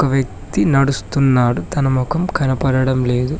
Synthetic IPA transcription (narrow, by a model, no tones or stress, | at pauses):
kɐʋjɐk̚ | t̪inɐɽust̪unːaːɽut̪ɐnɐmukɐmkɐnɐpɐɽɐɽɐmle̞ːd̪u